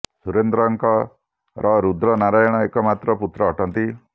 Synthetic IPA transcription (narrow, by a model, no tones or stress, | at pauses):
suɾend̪ɾɔŋkɔ | ɾʔɔɾud̪ɾɔnaɾajɔɽ̃ɔekɔmat̪ɾɔput̪ɾɔːʈʰɔnt̪i